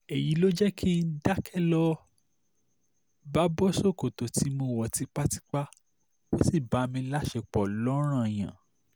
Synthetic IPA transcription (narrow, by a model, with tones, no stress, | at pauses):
e˨ji˨˦lo˦d͡ʒɛ˦kʰi˦˧n̩˦da˦kʰɛ˦lɔ˦ | ba˦bɔ˦so˦˨ko˨to˨ti˨˦mõ˧˦˨wɔ˨ti˨˦k͡pa˦ti̥˦k͡pa˦ | bo˦si˦˨ba˨˦mĩ˧la˦ʃe˧k͡pɔ˨lɔ˨˦ɾ̃ã˦˨j̃ã̰˨